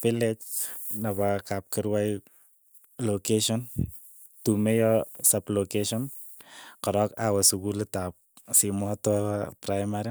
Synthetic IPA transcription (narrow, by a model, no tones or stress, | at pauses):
filet͡ʃnabakap̚kɪɾwaj | lokeʃɔn | tumejɔsaplokeʃɔn | kɔɾɔkawasukulitap̚ | simatɔpɾajmaɾi